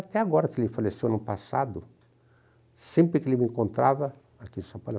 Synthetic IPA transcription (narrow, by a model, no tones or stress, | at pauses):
at̪ɛaɡɔɾɐkelɪfalesewnʊpasad̪ʊ | sẽmpɾɪkelɪmẽŋkõnt̪ɾavɐ | akĩsãpal